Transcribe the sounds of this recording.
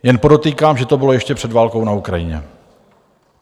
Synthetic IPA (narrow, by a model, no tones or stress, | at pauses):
jɛnpo̞do̞t̪iːkaːmʒɛt̪o̞bɪlo̞jɛʃcɛpr̥ɛdvaːlko̞wnaukɾajɪɲɛ̰